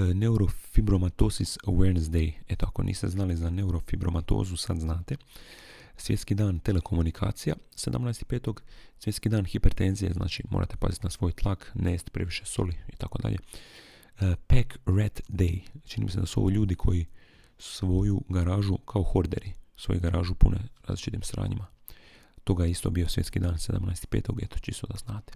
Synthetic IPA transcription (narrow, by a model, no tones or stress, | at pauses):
neuɾo̞fibɾo̞mat̪osisweɾnzd̪eje̞t̪oako̞̰nḭːst̪eznalizane̞uɾo̞fibɾo̞̰mat̪o̰ːzusad̪znaːt̪e̞ | sje̞t̪skid̪aːnt̪e̞lekʰo̞munikʰa̰ːt̪sijase̞d̪a̰mnaest̪i̥peːt̪o̞ɡsʋje̞t̪skid̪aːnxipeɾt̪enzijezna̰ːt͡ʃimo̰ːɾa̰t̪epa̰zit̪inasʋo̞ːjt̪lˠakneːst̪pɾe̞ʋiʃe̞so̞̰liit̪ako̞d̪a̰ʎʔe̞̰ | pekɾet̪d̪ejt͡ʃinḭmise̞d̪asuo̞̰ʋoʎuːd̪ikʰo̞ji | su̥ʋo̞juɡaɾaːʒukʰaoxo̞ɾd̪e̞̰ɾisʋo̞̰juɡaɾaːʒupuneɾa̰ːzlit͡ʃit̪imsɾa̰ːɲima | t̪o̞ɡajeist̪o̞bijo̞sʋje̞t̪skid̪aːnsed̪a̰mna̰jst̪i̥peːt̪oɡet̪o̥t͡ʃist̪od̪aznaːt̪e̥